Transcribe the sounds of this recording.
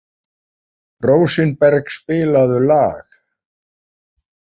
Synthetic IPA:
roːwsɪnpɛɾkspɪːlaðʏlaːx

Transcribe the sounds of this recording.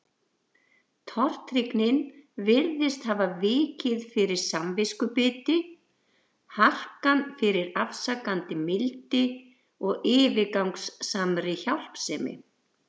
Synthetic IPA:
t̪ʰɔr̥t̪ɾiknɪnvɪɾðɪst̪haːvavɪːcɪðfɪɾɪɾ̥samvɪskʏpɪːt̪ɪ | har̥kanfɪɾɪɾafsakant̪ɪmɪlt̪ɪ | ɔɣɪːvɪkawŋksːamɾɪçawl̥psɛːmɪ̰

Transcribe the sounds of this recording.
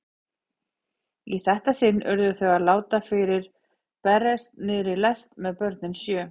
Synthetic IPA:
iθɛht̪asɪnːʔœɾðʏθœɣaðlaːwt̪afɪɾɪɾ̥ | pɛrːɛst̪nɪːðɾɪlɛst̪mɛðpœɾt̪nɪnsjœː

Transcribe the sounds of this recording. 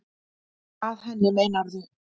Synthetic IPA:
aðɦɛnːɪleːjnaɾðʏ

